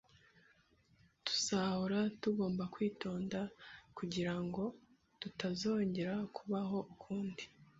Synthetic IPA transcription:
tu̥sahoɾatuɡo̞ːmbakwiːto̞ːndakuɟiɾaŋɡo̞ | tutazo̞ːɲɟe̞ɾakʰuβaɦo̞ʔukʰuːndi

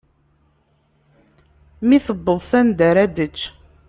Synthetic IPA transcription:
miθəbːəðˤsænd̪æɾæd̪ət͡ʃː

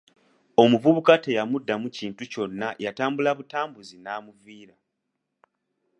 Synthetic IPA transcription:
o̞muvuβukate̞jamudːamuciːntuco̞nːajataːmbulaβutaːmbuzinaːmuviːɾa

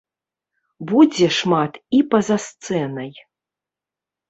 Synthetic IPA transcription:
bud͡zʲɛʂmat̪ipɐzast̪sɛnɐj

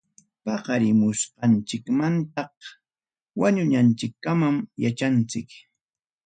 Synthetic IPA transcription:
pɑqɑɾɪmʊsqɑnt͡ʃɪkmant̪ɑq | waɲʊɲant͡ʃɪkːamamjat͡ʃant͡sɪk

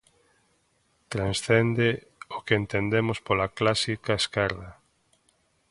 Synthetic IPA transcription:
t̪ɾansθend̪e | okeent̪end̪emʊspolaklasikaeskɛɾða

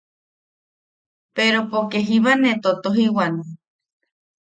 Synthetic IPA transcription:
peɾopokeɦiβanet̪ot̪oɦiwanõ

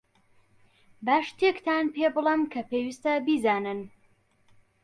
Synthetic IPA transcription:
baːʃt̪ʰekt̪ʰaːnpebɨlˠɐmkʰɐpeːwist̪ɐbizaːnɨn

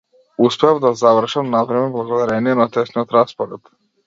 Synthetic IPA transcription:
uspɛavd̪azavr̩ʃamnavɾɛmɛblˠaɡɔd̪aɾɛniɛnat̪ɛsnijɔt̪ɾaspɔɾɛt̪

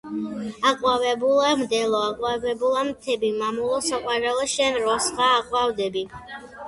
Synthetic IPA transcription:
aqʼwavɛbulˠamd̪ɛlˠɔaqʼwavɛbulˠamt̪ʰɛbimamulˠɔsaqʼwaɾɛlˠɔʃɛnɾɔsχaːqʼwavd̪ɛbi

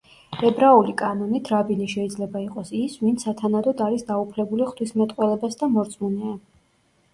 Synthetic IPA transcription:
ɛbɾaulikʼanɔnit̪ʰɾabiniʃɛid̪zlɛbaiqʼɔsisvint̪sʰat̪ʰanad̪ɔd̪aɾisd̪aupʰlɛbuliχt̪ʰwismɛt̪ʼqʼwɛlɛbasd̪amɔɾt̪sʼmunɛa

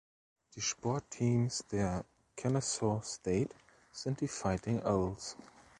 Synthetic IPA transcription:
ðɨʃpɔɹtʰːĩːmsðɛ | kʰɛnəsɔsteɪt | sɛ̃ntifaɪtɪ̃ŋoʊlˠs

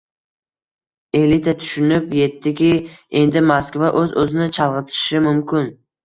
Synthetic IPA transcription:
e̞lit̪ʰat̪ʰʊ̥ʃɪnɪpje̞t̪ʰːɪkʲɪe̞nd̪ɪmaskvaʔɵzɵzɪnɪt͡ʃʰɑlˠʁɨt̪ʰɪ̥ʃɪmʊmkʲʰɪn

